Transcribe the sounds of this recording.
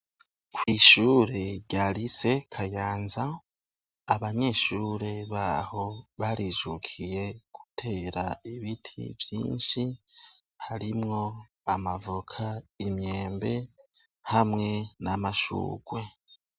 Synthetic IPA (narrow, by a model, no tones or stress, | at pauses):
kwiːʃuːɾeɟaɾise̞kʰajaːnzaː | βaɲe̞ʃuːɾe̞βaho̞βaɾiʒukʰije̞ɡ̥u̥tʰe̞ːɾaiβitʰḭvjḭːnʃi | haɾimŋo̞ | amavukʰaimje̞ːmbe̞ | hamŋe̞namaʃṵːɡ̥we̞